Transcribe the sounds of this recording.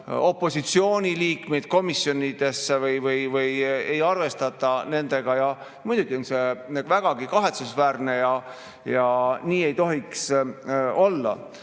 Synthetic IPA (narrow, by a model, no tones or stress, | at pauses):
o̞pːo̞sit̪sio̞ːnʲiliːkme̞jd̪̥̚ko̞misjo̞nʲid̪̥e̞sːevɤjvɯjvɯjejɑrve̞st̪ɑt̪ˑːɑne̞nd̪̥e̞ɡ̥ɑjɑ | mujd̪uɡ̥io̞nse̞væɡ̥ɑɡ̥ikɑɦe̞t̪susvæːɾne̞jɑ | jɑniːe̞jt̪o̞ɦiks | o̞lːɑ̰